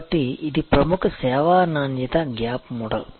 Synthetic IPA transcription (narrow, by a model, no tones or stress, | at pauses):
ʈːiid̪ipɾɐmukʰɐseːʋaːnaːnjit̪ɐɡjaːpmuɽɐ̰l